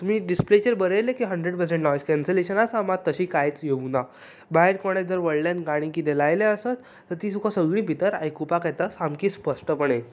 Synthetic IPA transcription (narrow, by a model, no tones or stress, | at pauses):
t̪um̤iːɖisplet͡ɕeɾbəɾəjlekiɦəɳɖɾeɖpəɾsẽɳʈnɔjskɛnseleɕənasamat̪ːəɕiːkajt͡sjeuna | baɦeɾkɔɽ̃ed͡zəɾʋəɭlanɡaɽ̃ikit̪elajleəsat̪ːəɾt̪iːsukʰasəɡɭiːpit̪əɾa̰jkupakat̪asamkiːspəʂʈəpəɳ̃e